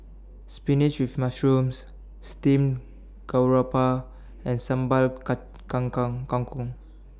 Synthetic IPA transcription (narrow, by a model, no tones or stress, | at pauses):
spinit͡ʃwifmasɹũms | stĩm | ɡawɹapa | ɛ̃nsãmbal | kãŋkŋkɔ̃ŋkɔ̃ŋ